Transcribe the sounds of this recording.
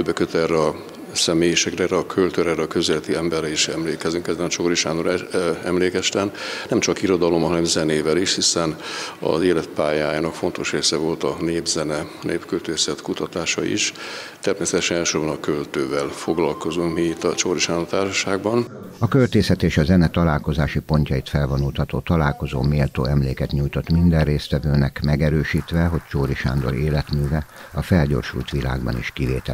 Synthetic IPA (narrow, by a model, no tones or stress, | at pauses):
d̪øbːɛkøt̪ɛrɛɒ | sɛmeːjeʃɛkrɛɛːrɛɒkʰølt̪øːɾɛːɾɛɒkøzɛlɛt̪iɛmbɛrɛiʃɛmleːkɛzyŋkɛzːɛnɒt͡ʃoɾiʃaːnoɾɛɛmleːkɛst̪ɛnnɛmt͡ʃɒkiɾo̞d̪ɒlo̞mɒɦɒnɛmzɛneːvɛliʃhisɛnɒ̰zeːlɛt̪̚paːjaːjaːnɒkfo̞nt̪o̞ʃreːsɛvo̞lt̪ɒneːbzɛnɛneːpkølt̪øːsɛt̪kut̪ɒt̪aːʃɒ̰ḭʃ | t̪ɛɾmeːsɛt̪ɛʃɛnɛːlʃorbɒnɒkølt̪øːvɛlfoɡlɒlko̞zuŋkmiit̪ːɒt͡ʃoːɾiʃand̪ot̪aːrʃɔʃaːɡbɒn | ɒkølt̪eːsɛt̪eːʃɒzɛnɛt̪ɒlaːlko̞zaːʃipo̞ɲcɒit̪fɛlvonult̪hɒt̪o̰ːt̪ɒlaːlko̞zo̰ːmeːlt̪o̰ːɛmlḛːkɛt̪ɲujt̪o̞t̪mind̪ɛrreːst̪ʋɛvøːnɛkmɛɡɛɾøːʃiːt̪ʋɛɦo̞ct͡ʃoːɾiʃa̰ːnd̪o̞̰ɾeːlɛt̪myːvɛ | ɒfɛlɟo̰ːrʃṵlt̪ʋila̰ːɡbɒ̰nḭʃkiveːt̪ɛ